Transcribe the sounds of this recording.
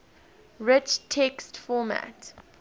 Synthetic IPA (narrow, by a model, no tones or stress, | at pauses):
ɹɪt͡ʃtʰɛkstfɔmæ̰t